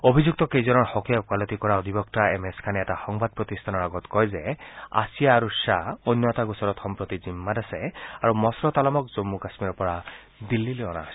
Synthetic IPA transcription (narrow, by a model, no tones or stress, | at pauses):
obʱizuk̚t̪ɔkejzɔnɔɹxɔkijakwalɔt̪ikɔɹaɔd̪ʱibɔktaemeskʰanɛɛtaxɔŋbad̪̚pɹɔt̪ist̪ʰanɔɹaɡɔt̪kɔjzɛa̰sijaːɹuʃaojnːɔt̪aɡusɔɾɔt̪xɔmpɹot̪izimːadɛsɛaɹumɔsɾɔt̪alɔmɔkzomːukasmiɹɔpɔɹa | d̪ilːileɔna